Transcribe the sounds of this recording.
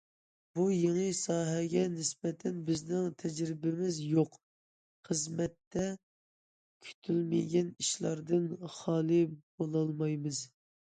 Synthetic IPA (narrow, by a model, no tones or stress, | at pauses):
bujeŋɨsɑːɦɛɡʲɛnɪsbɛt̪ʰɛnbɪznɪŋt̪ʰɛd͡ʒɾɪbɪmɪzjoq | χəzmɛt̪ːɛ | kʲʰy̥t̪ʰylmɪɡʲɛniʃlˠɑɾd̪ɨnχɑːlˠɨb̥olˠɑlˠmɑjmɨz